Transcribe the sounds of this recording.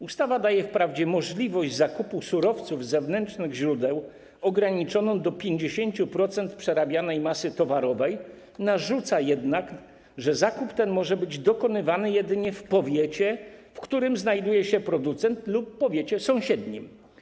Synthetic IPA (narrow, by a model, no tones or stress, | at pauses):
ust̪avad̪ajɛfpɾavd͡ʑɛmɔʐlʲivɔʑd͡ʑzakupusuɾɔft̪suvzɛvnɛnt͡ʂnɘɣʑɾud̪ɛw | ɔɡɾaɲit͡ʂɔnɔ̃w̃d̪ɔpʲjeɲd͡ʑeɕeɲt͡ɕupɾɔt̪sɛnt̪pʂɛɾabʲjanɛjmasɘt̪ɔvaɾɔvɛj | naʐut̪sajɛd̪nak | ʐɛzakupt̪ɛnmɔʐɛbɘd͡ʑd̪ɔkɔnɘvanɘjɛd̪ɘɲɛfpɔvʲjɛt͡ɕɛfkt̪uɾɘmznajd̪ujɛɕɛpɾɔd̪ut̪sɛnt̪lupːɔvʲjet͡ɕɛsɔ̃w̃ɕɛd̪ɲim